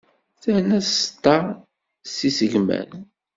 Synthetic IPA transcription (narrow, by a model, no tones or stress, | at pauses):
θæhnæst̪ˤːɑ | sisəʝmæ̰n